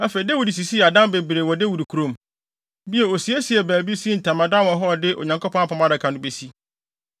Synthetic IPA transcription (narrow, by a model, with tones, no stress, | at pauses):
æ˦fe˨i˨de˦wu˨di˨s̬i˨si˦˨a˨dã˦mbe˨bɾe˨wɔ˨de˦wu˨di˨kʰu˨ɾõ˦˨m | bi˦ɛ˨o˨si˨ɛ˦si˨ɛ˨bæː˨bi˦si˦n̩˨tʰã˨mã˨dã˦wɔ̃˨ɦɔ˦˨dɪ˦ʔo̰˨ɲã˨ŋkʰo˦pʰɔ̃˦a˦˨pʰã˨mã˦dɪ˨kʰã˨nʊ̃˦be˨si˦